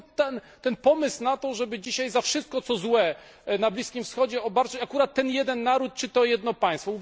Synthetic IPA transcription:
t̪ɛn | t̪ɛnpɔmɘsnat̪ɔʐɛbɘd͡ʑiɕajzafʂɘst̪̚kɔt̪sɔzwɛ | nablʲiskʲimfsxɔd͡ʑɛɔbaɾt͡ʂɘt͡ɕakuɾat̪ːɛnjɛd̪ɛnːaɾut̪̚t͡ʂɘt̪ɔjɛd̪nɔpaj̃st̪fɔu

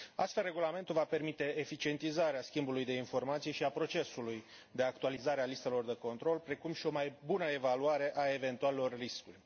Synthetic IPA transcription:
ast̪felre̞ɡulame̞nt̪ulvape̞rmit̪e̞ːfit͡ʃie̞nt̪izaɾeaskʲimbulujd̪e̞info̞rmat̪sijʃiapɾo̞t͡ʃe̞suluj | d̪e̞ak̚t̪ualizaɾealist̪elo̞rd̪e̞ko̞nt̪ɾo̞lpɾe̞kumʃio̞majbunəe̞valuaɾe̞ʔae̞ve̞nt̪ualelo̞rːiskurʲ

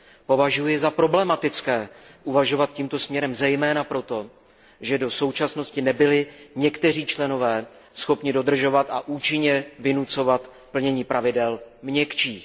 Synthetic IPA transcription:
po̞vaʒujɪzapɾo̞blɛmat̪ɪt͡skɛːʔuvaʒo̞vat̪̚ciːmt̪o̞smɲɛɾɛmzɛjmɛːnapɾo̞t̪o̞ | ʒɛdo̞so̞wt͡ʃasno̞scɪnɛbɪlɪɲɛkt̪ɛr̝iːt͡ʃlɛno̞vɛː | sxo̞pɲɪdo̞d̪r̩ʒo̞vat̪ʔaʔuːt͡ʃɪɲɛvɪnut͡so̞vat̪ | pl̩ɲɛɲiːpɾʔavɪdɛlmɲɛkt͡ʃiːx

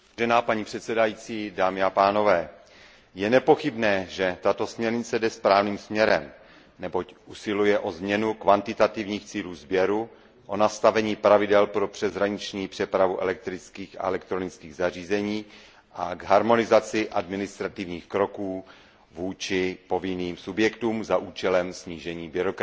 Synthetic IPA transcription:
ʒɛnaːpaɲiːpr̥ɛt̪sɛdajiːt͡siːdaːmɪapaːno̞vɛː | jɛnɛpo̞xɪbnɛːʒɛt̪at̪o̞smɲɛɾɲɪt͡sɛdɛspɾaːvniːmsmɲɛɾɛm | nɛbo̞cʔusɪlujɛʔo̞zmɲɛnukvant̪ɪt̪at̪ɪvɲiːxt͡siːluːzbjɛɾu | ʔo̞nast̪avɛɲiːpɾavɪdɛlpɾo̞pr̥ɛzɦɾaɲɪt͡ʃɲiːpr̥ɛpɾavuʔɛ̰lɛk̚t̪ɾɪt͡skiːxa̰ɛlɛk̚t̪ɾo̞nɪt͡skiːɣzariːzɛɲiː | ʔaɡɦaɾmo̞nɪzat͡sɪʔadmɪnɪst̪ɾat̪ɪvɲiːxkɾo̞kuː | vuːt͡ʃɪpo̞vɪniːmsubjɛkt̪uːmzaʔuːt͡ʃɛlɛmsɲiːʒɛɲiːbɪɾokɾ

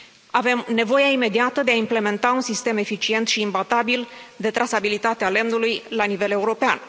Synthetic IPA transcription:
ave̞mne̞vo̞jaime̞d̪iat̪əd̪e̞aimple̞me̞nt̪aunsist̪e̞me̞fit͡ʃie̞nt̪ʃiːmbat̪abild̪e̞t̪ɾasabilit̪at̪eale̞mnulujlanive̞le̞uɾo̞pean

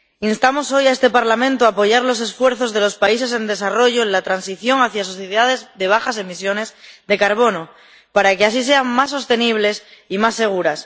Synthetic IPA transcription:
inst̪amo̞so̞jae̞st̪e̞paɾlamẽnt̪oaːpo̞ʝaɾlo̞se̞sfwe̞ɾθo̞zðe̞lo̞spaise̞s̬e̞nd̪e̞saro̞ʝoenlat̪ɾansiθjo̞ŋaθjaso̞θjeðaðe̞zðe̞β̞axas̬e̞misjo̞ne̞zðe̞kaɾβ̞o̞no | paɾake̞asise̞aŋmas̬ːo̞st̪e̞niβ̞le̞simasːe̞ɣ̞uɾas

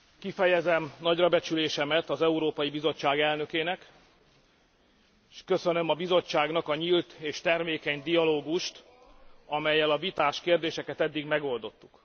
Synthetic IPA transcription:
kifɛjɛzɛmnɒɟrɒbɛt͡ʃyleːʃɛmɛt̪ɒzɛuɾoːpɒjibizo̞t͡ʃːaːɡɛlnø̞keːnɛk | ʃkø̞sønø̞mɒbizo̞t͡ʃːaːɡnɒkɒɲiːlt̪eːʃt̪ɛrmeːkɛɲd̪ijɒloːɡuʃt̪ | ɒmɛjːɛlɒvit̪aːʃkeːrd̪eːʃɛkɛt̪ɛd̪ːiɡmɛɡo̞ld̪o̞t̪ːuk

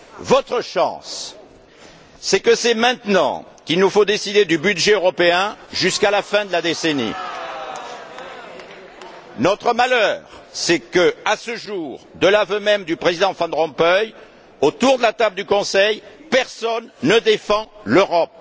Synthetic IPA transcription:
vɔt̪χəʃɑ̰̃s | ɛkəsɛmɛ̃t̪nɑ̰̃ | kilnufod̪esid̪ed̪ybyd̪ʒɛøʁɔpeɛ̃ʒyskalafɛ̃d̪əlad̪esenḭ | nɔt̪χəmalœʁsɛkəasəʒuʁd̪əlavømɛmd̪ypχezid̪ɑ̃fɑ̃d̪ʁɔ̃pœj | ot̪uʁd̪əlat̪abləd̪ykɔ̃sɛjpɛʁsɔnːəd̪efɑ̃løʁɔp̚

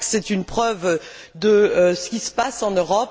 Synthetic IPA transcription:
sɛt̪ynpχœv | d̪əsə̥kʲisə̥pasɑ̃nøʁɔp

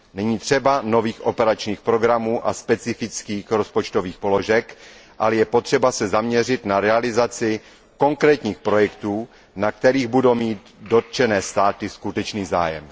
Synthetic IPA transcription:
nɛɲiːt̪r̥ɛbano̞viːxʔo̞pɛɾat͡ʃɲiːxpɾo̞ɡɾamuːʔaspɛt͡sɪfɪt͡skiːxɾo̞spot͡ʃt̪oviːxpo̞lo̞ʒɛkʔalɛjɛpo̞t̪r̥ɛbasɛzamɲɛr̝ɪt̪naɾɛalɪzat͡sɪ | ko̞ŋkɾɛːt̪ɲiːxpɾo̞jɛkt̪uː | nak̚t̪ɛɾiːɣbudowmiːt̪do̞t̪̚t͡ʃɛnɛːst̪aːt̪ɪskut̪ɛt͡ʃniːza̰ːjɛ̰m

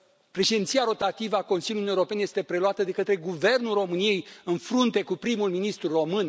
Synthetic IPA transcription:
pɾe̞ʃid̪ʲint̪sijaɾo̞t̪at̪ivəako̞nsiljunijɾo̞pe̞neje̞st̪e̞pɾe̞luat̪əd̪e̞kət̪ɾe̞ɡuve̞rnulro̞mɨnije̞jɨnfɾunt̪e̞kupɾimulminist̪ɾuro̞mɨn

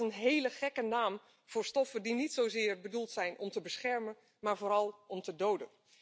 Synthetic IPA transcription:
ənɦejləχɛkənaːm | v̥ʊːɹstɔfədinitsowzɪːɹbədulˠtsɛjnʔɔmtəbəsχɛɹmən | maːɹvoːɾɑlˠʔɔmtədowdən

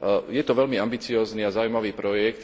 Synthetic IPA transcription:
jɛt̪ɔʋɛlmiambit͡siɔːzniːazaːujmaʋiːpɾɔjɛkt̪

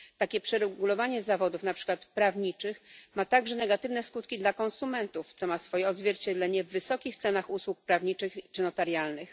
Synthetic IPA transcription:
t̪akʲɛpʂɛɾɛɡulɔvaɲɛzavɔd̪ufnapʂɘ̥kwat̪pɾavɲit͡ʂɘxmat̪aɡʐɛnɛɡat̪ɘvnɛskut̪kʲid̪lakɔ̃nsumɛnt̪uft̪sɔmasfɔjɛɔd̪zvʲjɛɾt͡ɕɛd̪lɛɲɛvːɘsɔkʲixt̪sɛnaxuswuk̚pɾavɲit͡ʂɘxit͡ʂɘnɔt̪aɾjalnɘx

